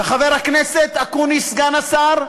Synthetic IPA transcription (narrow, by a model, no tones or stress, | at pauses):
beχave̞ʁhakneset̪akunisɡanasaʁ